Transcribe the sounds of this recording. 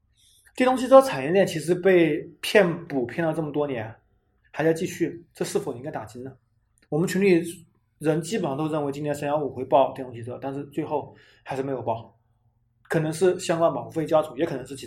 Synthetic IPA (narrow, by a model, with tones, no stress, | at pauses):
t͡ɕe˥˩t̪ʊ˥ŋɕi˧˥t͡sɤ˥˩t͡sʰa˨˩njɛ˧˥ljɛ˥˩nt͡ɕʰi˧˥ʂ̬ɻ̩˧˥pe˥˧ɪpʰjɛ˥˩npu˨˩pʰjɛ˥˧nt̪ɑ˥˧ʊʈ͡ʂɤ˥˩mə˩t̪wɔ˥njɛ˧˥n | xa˧˥ɪt͡ɕʊt͡ɕi˥˧ɕy˥˩ʈ͡ʂɤ˥˧ʂɻ̩˥˩o˨˩i˥ŋka˥ɪt̪a˨˩t͡ɕi˧˥nnə˨ | wɔ˨˩mə˦nt͡ɕʰy˧˥nli˥˩ | ɻə˧˥nt͡ɕi˥pə˨˩ʂɑ˥˧t̪o˥ʊɻə˥˩nwe˧˥ɪt͡ɕi˥nʰjɛ˥nʂə˧˥nja˧˥ʊu˨˩xwe˧˥ɪpɑ˥˧ʊt̪e˥˩t̪ʊ˥ŋ˥ɕi˧t͡sɤ˧˥t̪nʂɻ̩˥˧t͡swe˥˧ɪxo˥˩ʊ | xa˧˥ɪʂɻ̩˥˩me˧˥ɪjo˨˩ʊpɑ˥˩ʊ | kʰɤ˨˩nɤ˧˥ŋʂɻ̩˥˩ɕjɑ˥ŋkwa˥˩nmɑ˧˥ŋu˧˥fe˥˧ɪt͡ɕja˥t͡sʰu˨˧˥jɛ˧˥kʰɤ˨˩nɤ˧˥ʂɻ̩˥˩t͡ɕʰ